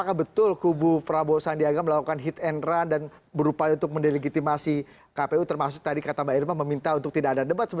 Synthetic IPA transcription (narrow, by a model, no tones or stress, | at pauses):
akabət̪ʊlkubupɾabosandiaɡaməlakukanɦit̪ɛnrandan | bəɾupajunt̪ʊk̚məndeləɡit̪imasi | kapeut̪ərmas̬ʊk̚t̪adikat̪amairmaməmint̪aunt̪ʊk̚t̪idaadadəbat̪səbə